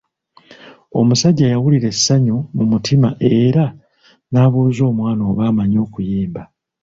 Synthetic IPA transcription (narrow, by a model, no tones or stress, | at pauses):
o̞̰musaɟːaːjawuliɾe̞sːaɲomumutʰimaʔeɾa | naːβuuzo̞ːmwaːno̞ːβaːmaɲo̞ːkujeːmba